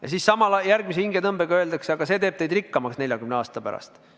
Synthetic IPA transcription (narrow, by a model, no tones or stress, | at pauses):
jɑ̰sissɑmɑljæɾɡ̥mis̬ehiŋɡ̥et̪ɤmbeɡ̥ɑøeld̪ɑkseɑɡ̥ɑse̞ːt̪e̞ːb̚t̪ejd̪rikːɑmɑksne̞lʲjɑɡymneɑːst̪ɑpæɾɑ̰st̪